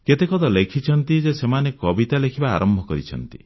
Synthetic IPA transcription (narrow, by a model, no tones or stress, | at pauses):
ket̪ekɔt̪ɔlekʰit͡ʃʰɔnt̪id͡ʒesemanekɔbit̪alekʰiba̰ːɾɔmbʱɔkɔɾit͡ʃʰɔ̰nt̪ḭ